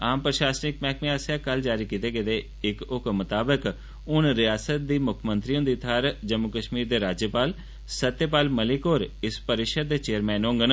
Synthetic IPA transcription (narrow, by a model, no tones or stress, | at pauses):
aːmpɾəʃaːsnɪkmɛːkmẽːaːsaːkəld͡ʒaːɾiːkiːt̪eːɡeːd̪eː | ɪkʊkmət̪aːbək | ʊnɾɪjaːsət̪̚d̪iːmʊkʰmə̃nt̪ɾiːõːd̪iːt̪ʰaːɾd͡ʒəmːʊkəʃmiːɾd̪eːɾaːd͡ʒjəpaːl | sət̪jəpaːlməlɪkoːɾɪspəɾɪʃəd̪̚d̪eːt͡ʃeːəɾmɛ̃ːnõːŋɡən